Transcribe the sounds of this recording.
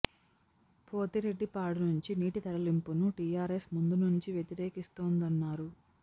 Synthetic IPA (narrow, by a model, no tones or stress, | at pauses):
pʰo̞ːt̪iɾeɖːipaːɽunuɲt͡ʃiniːʈit̪ɐɾɐlimpunuʈiːjaːɾesmund̪unuɲt͡ʃiʋjet̪iɾeːkist̪oːnd̪ɐnːaːɾu